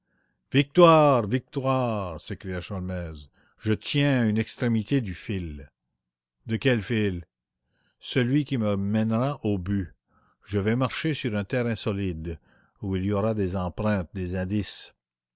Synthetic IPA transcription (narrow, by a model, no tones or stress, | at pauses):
vik̚t̪waʁvik̚t̪waːʁsekɾijaʃalmɛːz | ʒət̪jɛ̃ynɛkst̪ɾemit̪ed̪yfil | d̪əkʲɛlfil | səlɥikʲiməmɛnʁaʔoby | ʒəvɛmaʁʃesyʁœ̃t̪ɛʁɛ̃sɔlid̪ | uiliɔʁad̪ezɑ̃pɾɛ̃t̪̚d̪ezɛ̃ːd̪is